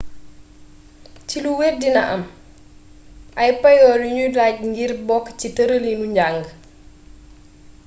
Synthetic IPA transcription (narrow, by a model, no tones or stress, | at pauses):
ciluwerdinɐ̰ʔɐ̰m | ʔɐjpɐjɔːɾuɲulac̚ŋɡirbɔkːcitəɾəlinuɲɟaŋɡ